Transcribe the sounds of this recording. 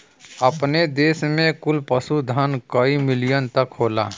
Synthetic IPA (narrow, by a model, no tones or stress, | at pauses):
ɐpned̪eːsmẽkʊlpəsud̪ʱənkəimɪlijənt̪ɐkɦoːla̰ː